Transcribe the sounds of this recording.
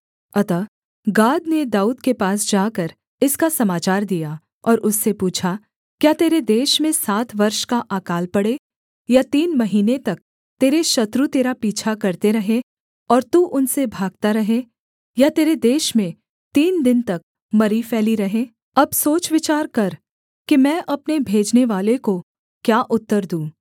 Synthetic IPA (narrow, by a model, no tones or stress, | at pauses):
ɐt̪a | ɡaːd̪ned̪aːuːd̪kepaːs̬d͡ʒaːkəɾ | ɪskasɐmaːt͡ʃaːɾd̪ija | ɔːɾʔʊsːepuːt͡ʃʰa | kjaːt̪eːɾed̪eːʃmẽsaːt̪ʰʋɐɾʃkaʔaːkaːlpɐɽe | jat̪iːnmɐɦiːnet̪ɐk̚ | t̪eːɾeʃɐt̪ɾut̪eːɾapiːt͡ʃʰakɐɾt̪eɾɐɦẽ | ɔːɾt̪uːʔʊnsebʱaːɡ̚t̪aɾɐɦe | jat̪eːɾed̪eːʃmẽ | t̪iːnd̪ɪnt̪ɐk̚ | mɐɾifɛːliɾɐɦẽː | ɐbsoːt͡ʃʋɪt͡ʃaːɾkɐɾ | kimɛ̃ːʔɐpnebʱeːd͡ʒneʋaːleko | kjaːʔʊt̪ːəɾd̪ũː